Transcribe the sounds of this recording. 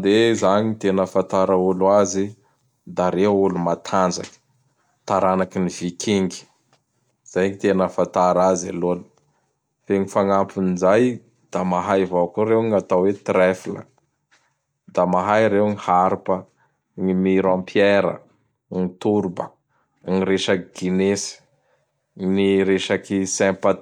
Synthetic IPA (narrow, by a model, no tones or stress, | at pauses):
d̪ezaɲit̪enəfant̪aɾəulazi | d̪aɾeulumat̪ʰand͡ʒa̰kə̥ | t̪aɾanakinivikʰiŋɡi̥ | z̥ajɲit̪enəfant̪aɾaza̰lolu̥ | feŋifaŋampʰunizaj | d̪̥amaɦajvakuɾewŋat̪awet̪ɾɛfilə̰ | d̪amaɦajɾewŋihaɾpə | ŋimiɾãmpʰjɛɾə̰ | ŋit̪uɾubə̰ | ŋiɾeʃaɡ̥inesi̥ | niɾeʃakisɛ̃mpa